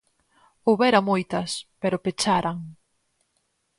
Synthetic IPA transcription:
owβɛɾamojt̪ɐspeɾʊpet͡ʃaɾaŋ

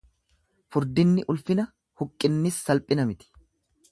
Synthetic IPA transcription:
fʊɾd̪ɪnːɪʔʊlfɪnɐ | hʊkʼːɪnːɪsːɐlpʼɪnɐmɪt̪ɪ̥

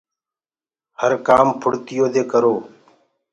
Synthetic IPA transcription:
həɾkaːmpʰʊɽt̪ɪjoːd̪eːkəɾoː

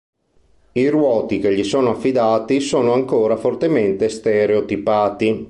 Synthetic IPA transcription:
iɾwɔːt̪ik̟eʎːisoːnoafːid̪aːt̪isoːnoaŋkoːɾafort̪ement̪est̪eɾeot̪ipaːt̪i

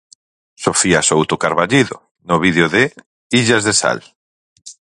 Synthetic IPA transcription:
sofiasowt̪okaɾβaʎiðo̰ | noβiðjoðɪ | iʎazðesa̰l

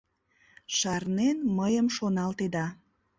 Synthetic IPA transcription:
ʃɑrnenməjəmʃonɑlt̪ed̪ɑ

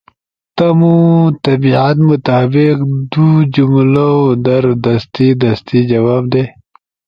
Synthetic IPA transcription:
t̪amut̪ɐbiʕat̪mʊt̪aːbɪqd̪ud͡ʒumlaod̪ɐɾd̪ɐst̪id̪ɐst̪id͡ʒɐwaːbd̪e

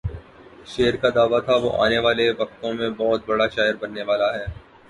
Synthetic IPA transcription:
ʃeːəɾkad̪aːʋat̪ʰaʋo̰ʔa̰ːneʋaːleʋɐk̚t̪õmẽbɔɦʊt̪̚bɐɽaʃaːjəɾbɐnːeʋaːlaɦɛː

